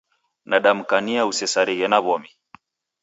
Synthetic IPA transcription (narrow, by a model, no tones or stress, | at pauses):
naɗam̩kaniausɛsaɾiɣɛnaβɔmi